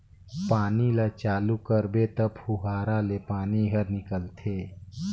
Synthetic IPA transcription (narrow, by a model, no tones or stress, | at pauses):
paːnilat͡ʃaːlukəɾbet̪əbhuɦaːɾalepaːniɦəɾnɪkəlt̪ʰeː